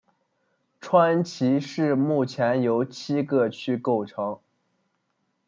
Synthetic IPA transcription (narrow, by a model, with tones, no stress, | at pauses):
ʈ͡ʂʰwa˥nt͡ɕʰi˧˥ʂɻ̩˥˧mu˥˩t͡ɕʰjɛ˧˥njo˧˥ʊt͡ɕʰi˥ɡə˥˧t͡ɕʰy˥˧ko˥˩ʊʈ͡ʂʰɤ˧˥ŋ